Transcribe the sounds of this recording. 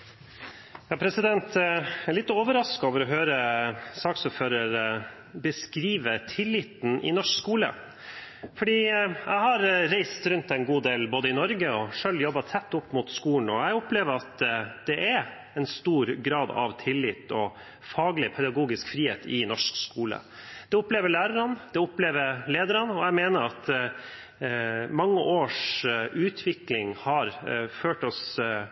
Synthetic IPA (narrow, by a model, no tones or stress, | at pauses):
jɑːpʰɾɛsɪd̪ɛnt̪ɛɭɪt̪ːəoːʋəɾɑskɑoːʋəɾɔɦøːɾəsɑːksɔːføːɾəɾ | bəskɾiːʋət̪ʰɪlːɪt̪n̩ʔɪ̰nɔʂkskuːlə̰ | fɔɖiːæ̰ɪhɑɾɾæɪst̪ɾʉnt̪ɛɪnɡuːd̪eːlboːd̪əɪnɔɾɡəɔʂøljɔbːɑt̪ʰɛt̪ːʊpːmʊt̪skuːlɳ̩ɔæɪɔpleːʋəɾɑt̪d̪̥ɛʔæɾ | ɛnst̪uːɾɡɾɑːd̪ɑ̰ʋt̪ʰɪlːɪːt̪ɔ | fɑːɡlɪpʰɛd̪ɑɡuːɡɪskfɾiːheːt̪ʰɪnɔʂkskuːlə̰d̪̥ɛʊpleːʋəɭæːɾəɾənd̪ɛʊpleːʋəɾleːd̪əɾɑnɔæmeːnəɾɑt̪ | mɑŋːəʔoːʂʔʉːt̪ʰʋɪklɪŋhɑɾføːʈɔs